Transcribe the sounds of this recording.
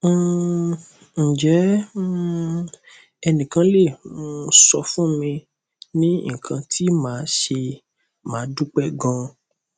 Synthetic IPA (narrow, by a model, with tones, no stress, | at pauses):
n̩˨d͡ʒɛ˨˦ | ɛ˧nĩ˨kã˧le˦˨mõ˧˦sɔ˧fũ˦mĩ˧ | nĩ˦ŋ̩˨kʰã˧tʰi˦mãː˨˦ʃe˧ | mãː˨˦du˦k͡pɛ˦ɡɔ̃˧